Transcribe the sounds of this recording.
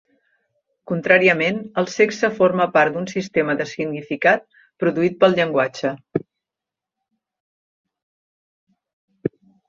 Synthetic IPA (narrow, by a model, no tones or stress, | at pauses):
kunt̪ɾaɾiəmenəlˠsɛksəforməpaɾd̪unsist̪eməðəsiɡnifikat̪̚ | pɾuðuit̪̚pəlˠʎəŋɡwad͡ʒə